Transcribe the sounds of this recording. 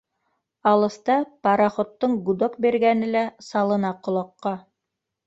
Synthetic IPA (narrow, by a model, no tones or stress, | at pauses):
ɑlˠɤ̆st̪ɑpɑɾɑχŏt̪ːɤɴɡud̪okbeɾɡænɘlæsɑlˠɤ̆nɑqŏlˠɑqːɑ